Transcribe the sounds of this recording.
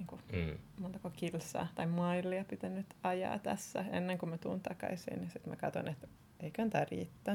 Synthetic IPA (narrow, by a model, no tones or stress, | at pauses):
niːŋkumont̪ɑkokilsɑ̰ːt̪ɑimɑilːiɑpit̪ænːyt̪ɑjɑ̰ːt̪æsːæḛnːeŋkummæt̪ṵːnt̪ɑkɑ̰isḭːnnisit̪mæ̰kɑt̪o̰net̪ | eiknt̪ærḭːt̪ːæ